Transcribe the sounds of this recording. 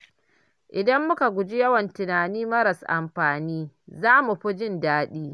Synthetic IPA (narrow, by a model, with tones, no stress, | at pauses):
ʔɪ˨dɐ˦mːʊ˦ka˨ɡʷʊ˨d͡ʒi˦jɐ˦wɐ˨ntʊ˨naː˨niː˦mɐ˦ɾɐ˨sʔa̰˨mɸaː˨niː˦zaː˦mu˨ɸʊ˦d͡ʒɪ˦ndaː˦ɗiː˦